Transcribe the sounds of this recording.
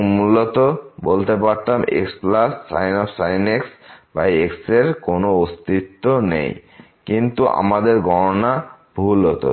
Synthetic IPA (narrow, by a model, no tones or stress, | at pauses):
mulot̪obolt̪epaɾt̪amḛksplasːa̰jnɔfsajneksbajekseɾkonoost̪it̪ːonḛj | kint̪uʔa̰mad̪eɾɡʱɔɾonab̥ʱulot̪o̰